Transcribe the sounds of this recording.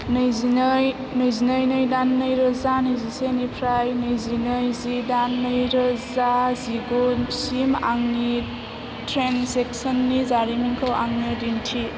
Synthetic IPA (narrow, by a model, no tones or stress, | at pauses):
njzinj | nɯjzinəjnɯjdanːɯjɾəzanɯjzisenipʰɾajnɯjzinɯjzidanːəjɾəzaziɡosimaŋni | tʰɾensek̚sənːizaɾimiŋkʰawaŋnidintʰi